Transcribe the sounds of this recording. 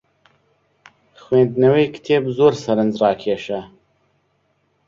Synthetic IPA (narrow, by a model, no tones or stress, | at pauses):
xweːnd̪nɐwejkt̪ʰeːbzoːɾsɐɾɨnzrɑːkʰeːʃɐ